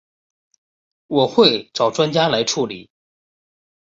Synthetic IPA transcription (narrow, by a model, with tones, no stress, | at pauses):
wɔ˨˩xwe˥˩ɪʈ͡ʂɑ˨˩ʊʈ͡ʂwa˥nt͡ɕja˥la˧˥ɪʈ͡ʂʰu˥˩li˨˩˦